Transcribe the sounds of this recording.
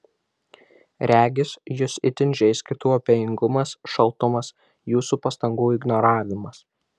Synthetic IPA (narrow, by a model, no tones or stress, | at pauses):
ɾʲæːɡʲɪsjʊsɪt̪ʲɪnʲʒʲɛɪsʲkʲɪt̪uːɔpʲɛjɪŋɡʊmɐsʃɐlˠt̪ʊmɐs | juːsupɐst̪ɐŋɡuːɪɡnɔɾɑːʋʲɪmɐs